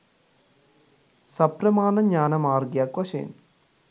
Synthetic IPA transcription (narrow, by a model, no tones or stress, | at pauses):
sɐpɾɐmaːnɐɲaːnɐmaːɾɡjaːkʋɐʃḛːn